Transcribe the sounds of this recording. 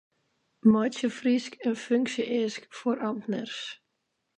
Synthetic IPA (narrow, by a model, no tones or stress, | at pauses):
mɔjsəfriskʰənføŋksjəʔeːskfɔɾʔɑmt̪nərs